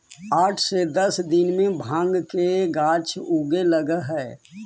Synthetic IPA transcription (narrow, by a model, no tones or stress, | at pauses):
aːʈʰsed̪əsd̪ɪnmẽbʱãːŋɡkeɡaːt͡ʃʰuːɡeləɡəɦɛː